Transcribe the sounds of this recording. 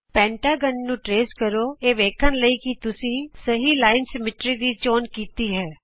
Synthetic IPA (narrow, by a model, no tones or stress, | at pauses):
pɛ̃ːɳʈaːɡənːũːʈɾeːskəɾoːeːʋeːkʰənləiːkɪt̪ʊsĩːsəɦiːlaːɪnsəmɪʈɾiːd̪iːt͡ʃoːnkiːt̪iːɦɛː